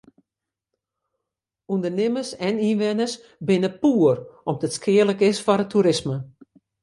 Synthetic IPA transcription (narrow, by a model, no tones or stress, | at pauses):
undərnɪməsɛninʋɪnəs | bɪnəpuːərɔmdətskʰɪələkɪsfɔɾətʰuɾɪsmə